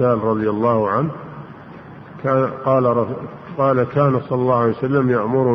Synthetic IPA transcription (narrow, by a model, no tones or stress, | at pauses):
aːlɾˤɑðˤɨjalːɑːhʊʕanh | kaːqɑːlˤ | qɑːlakaːnasˤɑlːɑlːɑːʊʕalejwsalːamjaʔmʊɾʊ